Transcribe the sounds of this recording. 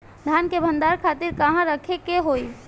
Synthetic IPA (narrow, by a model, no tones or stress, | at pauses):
d̪ʱaːnkebʱə̃nd̪aɾkʰaːt̪ɪɾkəɦãɾəkʰekeɦoi